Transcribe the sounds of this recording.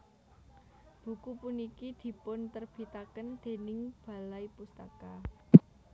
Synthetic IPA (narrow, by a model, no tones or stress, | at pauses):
b̥ṳkupunikid̪̥i̤pʊnt̪ərb̥i̤t̪akənd̪̥e̤nɪŋb̥ä̤laipust̪aka